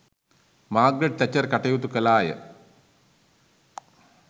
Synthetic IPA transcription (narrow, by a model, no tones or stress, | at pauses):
maːɡɾeɖ̚t̪ɐt͡ɕːɐrkɐʈːejut̪ːukːɐlaːjɐ̰